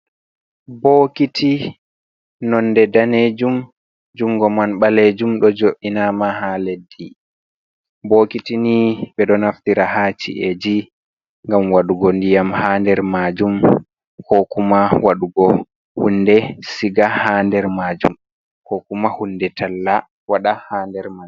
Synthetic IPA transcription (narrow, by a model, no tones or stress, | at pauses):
boːkitʰi | nɔnːdɛdaned͡ʒum | d͡ʒuŋɡɔmanɓaled͡ʒumɗɔd͡ʒoʔinamahaledːi | boːkitinibɛɗɔnaftiɾahaːt͡ʃḭʔed͡ʒi | ŋɡamwaɗuɡɔndijamhaːndɛɾmad͡ʒum | kokumawaɗuɡɔ | hunːdɛsiɡahandɛɾmad͡ʒṵm | kokumahundɛtʰalːa | waɗahaːndɛɾma